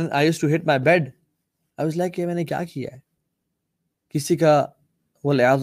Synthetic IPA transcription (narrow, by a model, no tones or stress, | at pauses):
na̰ɪjuːsʈuɦɪʈ̚maɪbɛɖ | aɪʋɔzlaɪkːemɛ̃ːnekja̰ːkija̰ɛ | kɪsika | ɐlɪð